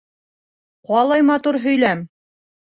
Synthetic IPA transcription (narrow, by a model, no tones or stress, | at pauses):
qɑlˠɑjmɑt̪uɾɦɵ̆jlæm